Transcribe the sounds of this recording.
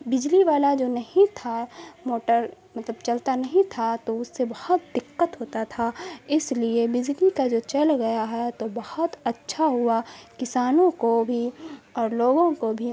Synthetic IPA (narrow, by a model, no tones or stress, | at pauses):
bɪd͡ʒliʋaːlad͡ʒoːnɐɦĩt̪ʰamoːʈəɾ | mɐt̪ləbt͡ʃɐlt̪anɐɦĩt̪ʰat̪oʊsːebɐhɔt̪̚d̪ɪqːət̪ɦoːt̪at̪ʰaɪsliebɪd͡ʒlikad͡ʒoːt͡ʃɐlɡɐjaɦɛt̪obɐhɔt̪ɐtːʃʰaɦʊakɪsaːnõkobʱiɔːɾloːɡõkobʱi